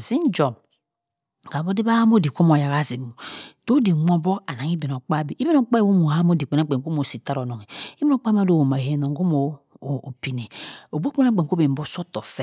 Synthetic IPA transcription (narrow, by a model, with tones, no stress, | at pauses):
zi˦n˦d͡ʒɔ˨m | ka˨bo˦di˦ba˦ha˦mo˦˨di˨ko˦mo˨ja˨ka˦zi˨mu˨d̥o˦di˨mo˦bɔ˦ka˨na˨ŋi˦be˨n˨o˨k͡pa˦bi˨ʔi˦bi˦no˨˦k͡pa˦i˦˨wo˦mu˨ha˦mo˦di˨k͡pe˨na˦k͡pe˨ŋko˦mo˨si˨ta˦ɾɔ˨no˨ŋi˨i˦bi˦no˦k͡pa˦ma˦do˦˨wo˨ma˨e˦no˨ŋ˦ɡo˦mo˨o˨pi˨ne˨o˨bo˦k͡pe˦na˦k͡pe˨ŋ˨ko˦be˨m̩˨bo˦so˦tɔ˨fɛ˦